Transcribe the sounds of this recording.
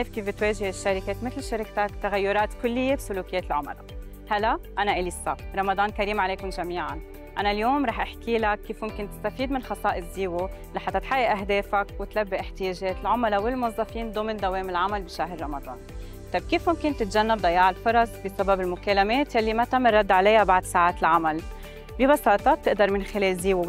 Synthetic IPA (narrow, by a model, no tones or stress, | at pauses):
ʕaːfkiːfbɪt̪weːʒɪhɪʃːaɾɪkeːt̪mɪt̪lʃaɾɪkt̪akt̪aɣajːʊɾˤɑːt̪kʊlːɪjːebsʊluːkɪjeːt̪ɪlʕʊma̰la̰ | halːaʔanaʔɪliːsaɾˤɑmɑd̪ˤɑːnkaɾiːmʕaleːkʊnʒamiːʕan | ʔanaljoːmɾˤɑːħʔaħkiːlakːiːfmʊmkɪnt̪ɪ̥st̪afiːd̪mɪnxɑsˤɑːʔɪsziːwulaħat̪ːat̪ħajːɪʔaɦd̪eːfakwɪt̪labːiʔɪħt̪ijeːʒeːt̪ɪlʕʊmalawɪlmʊwɑzˤːɑfiːnd̪oːmɪnd̪aweːmɪlʕamalbiʃaɦɾːˤɑmɑd̪ˤɑ̰ːn | t̪ˤɑb̚kiːfmʊmkɪnt̪ɪt̪ʒanːabd̪ɑjːɑːʕalfʊɾˤɑsˤbɪsababɪlmʊkelameːt̪jalːimat̪amɪrˤːɑd̪ːʕalajːabaʕd̪saːʕaːt̪ɪlʕamal | bibɑsɑːt̪ˤɑt̪ːɪʔd̪ɑɾˤmɪnxɪleːlziːwu